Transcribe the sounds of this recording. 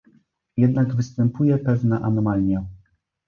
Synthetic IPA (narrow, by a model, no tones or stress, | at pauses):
jɛd̪naɡvɘst̪ɛmpujɛpɛvnɛʔanɔmalʲɲɛ